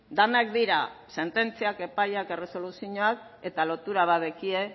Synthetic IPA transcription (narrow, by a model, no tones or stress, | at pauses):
d̪anakd̪iɾase̞nt̪e̞nt͡siake̞pajake̞re̞so̞lusiɲoak | e̞t̪alo̞t̪uɾaβ̞aðekie̞